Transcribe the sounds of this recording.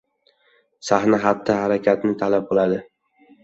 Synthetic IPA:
sahnaɦat̪ʰːɪhaɾakʲʰat̪nɪt̪ʰalap̚qʰɨlˠad̪ɪ

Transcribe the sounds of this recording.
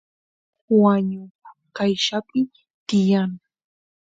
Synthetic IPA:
waɲʊkajʃapɪ | t̪ɪjaŋ

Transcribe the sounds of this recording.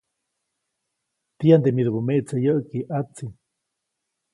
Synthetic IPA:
t̪iand̪emiðubumeʔt͡sejəʔkiʔat͡si

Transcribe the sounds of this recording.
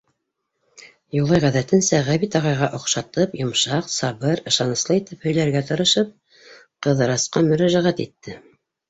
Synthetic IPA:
julˠɑjʁæðæt̪ɘ̆nsæʁæβit̪ɑʁɑjʁɑʔŏqʃɑt̪ɤpjŏmʃɑqsɑβɤɾɤ̆ʃɑnɤ̆slˠɤit̪ɘphɵ̆jlæɾɡæt̪ɤ̆ɾɤ̆ʃɤp̚ | qɤ̆ðɤ̆ɾɑsqɑmɵ̆ɾæʒæʁæt̪it̪ːɘ

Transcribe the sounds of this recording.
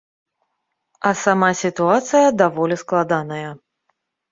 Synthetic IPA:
ɐsamasʲit̪uat̪sɨjɐd̪avɔlʲisklˠad̪anɐjɐ

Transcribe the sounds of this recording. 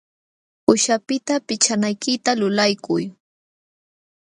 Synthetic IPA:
pʊʃapɪt̪apɪt͡ʃanajkɪt̪alʊlajkʊj

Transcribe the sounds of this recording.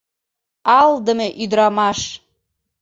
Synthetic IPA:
ɑld̪ə̆meʔyd̪ɾɑmɑʃ

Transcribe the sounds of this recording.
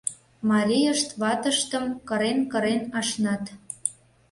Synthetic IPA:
mɑlʲijəʃt̪βɑt̪əʃt̪ə̆mkɤ̆ɾenkə̆ɾenɑʃnɑt̪

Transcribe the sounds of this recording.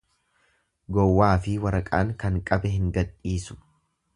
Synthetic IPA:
ɡɔwːaːfɪwɐɾɐkʼaːŋkɐŋkʼɐbɛɦɪŋɡɐᶑːiːsʊ̥

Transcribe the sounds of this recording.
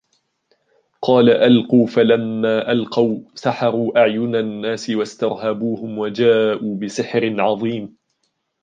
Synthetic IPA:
qʰɑːlaʔalquːfalamːaːʔalqɑwsaħɑɾˤuːʔaʕjʊnanːaːsɪwast̪ɑɾˤɦabuːhʊmwad͡ʒaːʔuːbɪsɪħɾɪnʕɑðˤiːm

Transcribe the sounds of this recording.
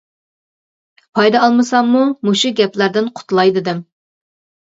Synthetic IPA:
pʰɑjd̪ɑɑlˠmɨsɑmːumuʃuɡʲɛplæɾd̪ɪnqʰʊ̥t̪ʰlˠɑjd̪ɨd̪ɪm

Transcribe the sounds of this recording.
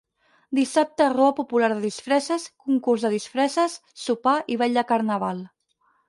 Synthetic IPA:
d̪isap̚t̪əroəpupulaɾðəðisfɾɛsəskuŋkurzðəðisfɾɛsəsːupaʔiβɛʎd̪əkəɾnəβ̞alˠ

